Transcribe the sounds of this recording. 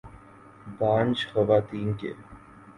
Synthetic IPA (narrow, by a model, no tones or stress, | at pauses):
baːnt͡ʃxəʋaːt̪iːnkḛ